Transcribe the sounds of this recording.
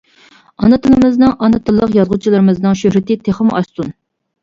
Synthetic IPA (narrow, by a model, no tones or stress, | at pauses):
ɑnɨt̪ʰɨlɨmɨznɨŋʔɑnɨt̪ʰɨlˠːəqjɑzʁʊt͡ʃʰilˠɨɾɨmɨznɨŋʃøhɾɪt̪ɪt̪ʰeχəmɑst̪un